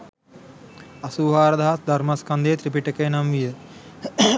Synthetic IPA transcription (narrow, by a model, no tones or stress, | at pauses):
ɐsuːɦaːɾɐd̪aɦasd̪ʱɐɾmaskɐnd̪eːt̪ɾipiʈəkəjnamʋijə